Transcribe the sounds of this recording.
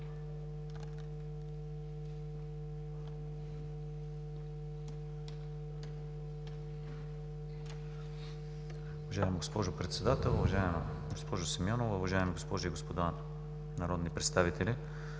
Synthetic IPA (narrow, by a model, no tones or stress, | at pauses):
ʊvɐʒaɛmɡospɔʒʊpɾɛt̪sɛd̪at̪ɛlˠʊvɐʒaɛm̰ | ɡospɔʒʊsɛmʲjɔnovʊvɐʒaɛmɡospɔʒiɡospod̪a | nɐɾɔd̪nipɾɛt̪st̪avit̪ɛlʲi